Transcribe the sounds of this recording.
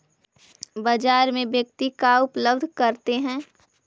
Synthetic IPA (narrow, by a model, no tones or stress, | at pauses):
bəd͡ʒaːɾmẽbjək̚t̪ikaʊpləbd̪ʱkɐɾt̪eɦɛ̃ː